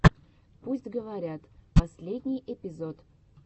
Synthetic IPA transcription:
pusʲtʲɡəvaɾʲat̪pɐsʲlʲed̪ʲnʲijʔepʲizot̪

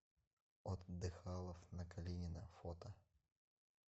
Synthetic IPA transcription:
ot̪d̪ɨxalˠəfnəkɐlʲenʲɪnəfot̪ə

